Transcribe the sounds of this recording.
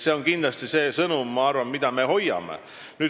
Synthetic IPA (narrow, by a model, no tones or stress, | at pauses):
se̞o̞nkind̪lɑst̪ise̞ːsɤnumːɑɑrvɑnmid̪̥ɑme̞ho̞jːɑ̰mḛ | nyː